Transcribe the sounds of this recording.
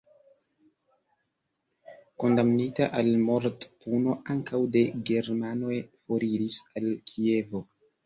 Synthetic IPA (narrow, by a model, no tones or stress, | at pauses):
ko̞ndamnitaʔalmo̞ɾtpuno̞aŋkawde̞ɡe̞ɾmano̞jfo̞ɾiɾisalkʰie̞vo̞